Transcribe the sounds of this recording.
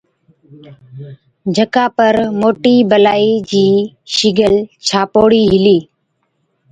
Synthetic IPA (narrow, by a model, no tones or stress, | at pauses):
d͡ʒʱəkaːpəɾmoːʈiːbəlaːiːd͡ʑiː | ʃɪɡəlt͡ʃʰaːpoːɽiːɦɪliː